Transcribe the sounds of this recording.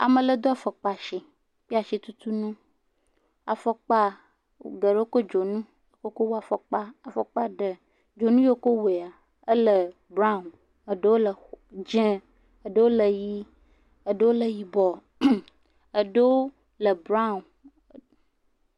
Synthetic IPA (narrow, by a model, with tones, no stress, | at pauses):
a̰˨mə˨lə˦d̪o˦a˨fə˨k͡pa˨ʃi˨ | k͡pi˦a˨ʃi˦t̪u˦t̪u˦nũ˦ | a˨fɔ˦k͡pa̰˦˨ | ɡə˨ɖə˦wo˦ko˦d͡ʒo˨nũ˦ | jo˨ko˦ko˦wo˦a˨fɔ˨k͡pa˦a˨fɔ˨k͡pa˦ɖə˨ | d͡ʒo˨nũ˦jo˦ko˦we˨a˨ | ə˦lə˨ | bɾa˦˨n | ə˨ɖə˦wo˦lə˨d͡ʒẽ˦ | ə˨ɖə˦wo˦lə˨ji˦ | ə˨ɖə˦wo˦lə˨ji˨bɔ˨ | ə˨ɖə˦wo˦ | lə˨bɾa˦˨